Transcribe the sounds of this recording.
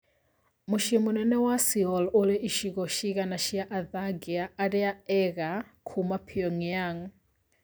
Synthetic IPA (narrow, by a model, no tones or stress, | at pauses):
muʃimunɛnɛwasiɔlulɛʔiʃikɔʃikanaʃijaʔaðaɡiaʔaɾɛaɛɣakʰumapʰiɔŋjaŋ